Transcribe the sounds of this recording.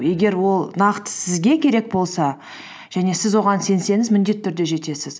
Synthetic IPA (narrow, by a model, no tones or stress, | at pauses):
je̞ɡʲe̞ɾwo̞lˠnɑqt̪ə̥sɪzɡʲe̞kʲʰe̞ɾe̞k̚bo̞lˠsɑ | ʒ̥æne̞sɪzwo̞ʁɑnse̞nse̞nɪzmɪnd̪e̞t̪ʰːʏɾd̪e̞ʒe̞t̪e̞sɪz